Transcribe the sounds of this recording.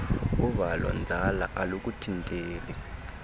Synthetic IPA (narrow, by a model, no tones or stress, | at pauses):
uβalɔ̰nd͡zʱalaʔalok̬ʼutʰintʼeːlɛ